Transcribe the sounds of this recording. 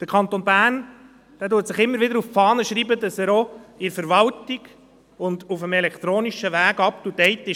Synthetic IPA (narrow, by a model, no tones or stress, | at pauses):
d̪̥əɾkʰɑnt̪onbæːn | d̥æːtuːətsɪχɪmːəɾʋɪdəɾuffɑːnəʃɾiːbədɑsæɾoɪɾfəɾʋɑltiɡ̥ | ʊnd̪ufəmɛlɛkχt̪ɾoːniʃəʋæːɡɑp̚tudɛɪtːɪ